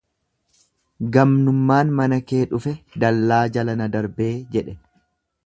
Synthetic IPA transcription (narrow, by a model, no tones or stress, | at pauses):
ɡɐmnʊmːaːnmɐnɐke̞ːᶑʊfɛd̪ɐlːaːd͡ʒɐlɐnɐd̪ɐɾbe̞ːd͡ʒɛᶑɛ